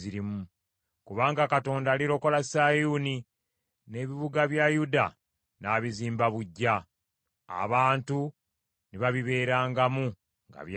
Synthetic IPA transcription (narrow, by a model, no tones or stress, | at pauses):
iɾimu | kuβaːŋɡakato̞ːndaliɾo̞ko̞lasajuni | ne̞βiβuɡaβjajuda̰ | naːβiziːmbaβuɟːa̰ː | βaːntu | niβaβiβe̞ːɾaːŋɡamu | ŋɡa̰βj